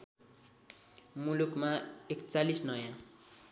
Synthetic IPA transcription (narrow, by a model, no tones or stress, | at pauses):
mulukmaekt͡salisnʌjã